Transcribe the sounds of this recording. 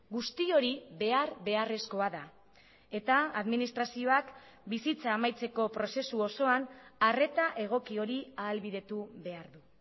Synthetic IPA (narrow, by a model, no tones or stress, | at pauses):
ɡust̪io̞ɾiβe̞aɾβe̞are̞sko̞aða | e̞t̪aaðminist̪ɾasio̞ak | bisit͡saːmajt͡se̞ko̞pɾo̞se̞suo̞so̞anare̞t̪aʔe̞ɣ̞o̞kio̞ɾiaːlβiðe̞t̪uβe̞aɾðu